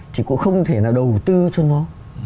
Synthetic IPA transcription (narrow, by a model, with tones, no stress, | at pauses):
t̪ʰi˨˩kṵ˧˥ŋ͡mxə˧wŋ͡mt̪ʰe˧˩naː˨˩wɗə˨˩wt̪ɨ˧t͡ɕɔ˧nɔ˨˦